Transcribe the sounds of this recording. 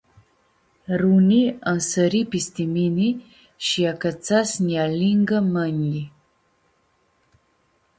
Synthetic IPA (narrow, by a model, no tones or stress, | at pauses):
ɾuniənsəɾipist̪imini | ʃiakat͡sasnjaliŋɡəmənji